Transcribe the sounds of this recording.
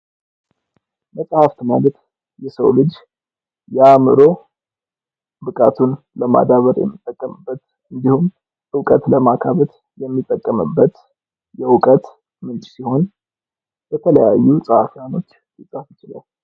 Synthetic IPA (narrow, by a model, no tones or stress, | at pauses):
məsʼhaft̪malt̪ | jɛsəwlɨd͡ʒ | jamɨɾo̞ | bɨkʼat̪ʰun | ləma̰d̪aβəɾjɛ̰mːɨt̪ʼːəkʼːəmɨbːət̪ | ɨnd̪ihum | ʔɨwkʼət̪ləmakʰaβət̪ | jɛmːit̪ʼːəkʼːəmɨ̰bːət̪ | jɛwkʼət̪ | mɨnt͡ʃʼsiho̞n | b̥ət̪ʰələjajːusʼəhafijano̞t͡ʃː | jɨt͡sʼafɨt͡ʃɪla̰l